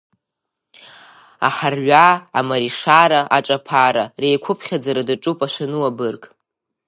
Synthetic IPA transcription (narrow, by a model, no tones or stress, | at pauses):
a̰ħarɥʷaamaɾiʂaɾaʔaʈ͡ʂʼapʰaɾarejkʷʰʊpʰχʲad͡zaɾadaʈ͡ʂʼupʼaʃʷanɨwabɨrkʼ